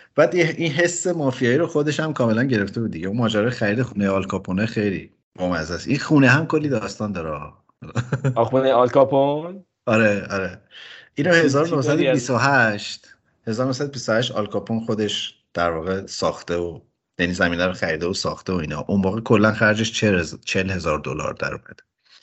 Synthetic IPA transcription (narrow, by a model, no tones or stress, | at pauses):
b̥æːd̪inɦe̞sːemɒːfijɒːjiɾoxo̞d̪e̞ʃhæmkʰɒːme̞lænɟe̞ɾe̞ft̪e̞buːd̪̚d̪iɟeunmɒːd͡ʒæːɾɒːjexæɾiːd̪exunejeɒːlkʰɒpʰonexejlḭː | bomæzæsinxuːneɦæmkʰo̞lːiːd̪ɒːst̪ɒːnd̪ɒːɾe | uneɒlkɒpon | ɒɾeɒɾeʔiːnohe̞zɒːɾonohsæd̪bist̪oɦæʃt̪ | he̞zɒːɾonosæd̪obist̪ohæʃt̪ɒlkʰɒpʰonxo̞d̪e̞ʃd̪̥æɾvɒːɣe̞sɒːxt̪eo | jænizæmiːnæɾoxæɾid̪eosɒ̰ːxt̪eoiːnɒ̰ʔumbɒːɣekʰo̞lːænxæɾd͡ʒeʃt͡ʃʰet͡ʃʰelhe̞zɒːɾd̪o̰lɒ̰ɾd̪̥æ̰ɾṵmæ̰d̪̥e